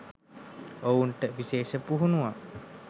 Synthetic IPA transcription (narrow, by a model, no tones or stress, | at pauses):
ounʈəʋiseːsəpuɦunua